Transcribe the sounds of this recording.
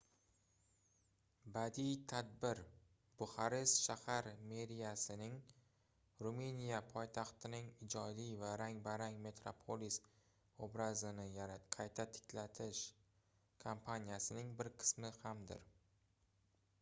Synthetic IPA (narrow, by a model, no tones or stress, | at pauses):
bad̪ijt̪ʰad̪̚bɪɾ | b̥ʊhaɾɪst̪ʃahaɾme̞ɾijasɪnɪŋ | ɾumenijapʰɒjt̪ʰɑχt̪ʰɪnɪŋɪd͡ʒɒd̪ijvaɾaŋbaɾaŋme̞t̪ɾopʰolis | obɾazɪnɪjaqʰɑjt̪ʰat̪ʰɪ̥kʲʰlat̪ʰɪʃ | kʰompʰanʲijasɪnɪŋbɪɾqʰɨ̥smɪhamd̪ɪ̰ɾ